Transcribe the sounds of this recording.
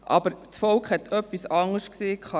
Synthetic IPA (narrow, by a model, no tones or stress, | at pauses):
ʔɑ̰bəɾsfɔlkχhɛt̪ʰœpːisɑŋəʃkseːkχɑ